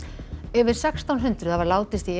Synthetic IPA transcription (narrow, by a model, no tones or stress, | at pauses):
ɛvɪɾ̥sɛkst̪ʰawnɦʏnt̪ɾʏθavaɾlaːwt̪ɪst̪i